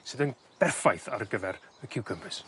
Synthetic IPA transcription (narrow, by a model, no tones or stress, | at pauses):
sɨðən | b̥ɛrfajθa̰rɡəvɛɾəkʰɪwkʰəmpɨs